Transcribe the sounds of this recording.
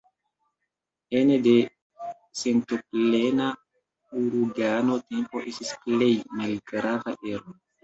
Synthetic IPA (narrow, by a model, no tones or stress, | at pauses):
enede̞ | se̞ntoplena | uɾuɡano̞te̞mpo̞ʔestisple̞jmalɡɾavaʔeɾo